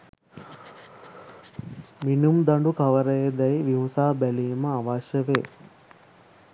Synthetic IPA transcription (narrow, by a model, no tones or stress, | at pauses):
minumd̪aɳɖukaʋəɾəjed̪ɛjʋiɦusaːbæliːməaʋaːʃəʋeː